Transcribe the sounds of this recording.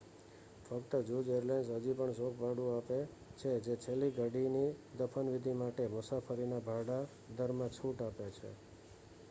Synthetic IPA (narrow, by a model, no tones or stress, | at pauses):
fəkt̪əd͡ʒud͡ʒeəɾlajnsɦəd͡ʒipəɳsokʰbaɽũape | t͡ʃʰed͡ʒet͡ʃʰelːiɡəɖinid̪əfʰənʋid̪ʱimaʈemʊsafəɾinabʱaɽa | d̪əɾmãt͡ʃʰuʈapjat͡ʃʰḛ